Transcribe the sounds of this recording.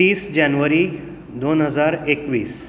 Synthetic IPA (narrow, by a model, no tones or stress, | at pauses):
iːsd͡ʑanʋəɾiː | d̪onɦəd͡zaɾekʋiːs